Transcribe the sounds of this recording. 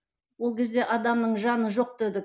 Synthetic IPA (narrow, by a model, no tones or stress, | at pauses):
wo̞lˠkʲʰe̞zd̪e̞ʔɑd̪ɑmnəɴʒɑnəʒo̞q̚d̪ed̪ɪk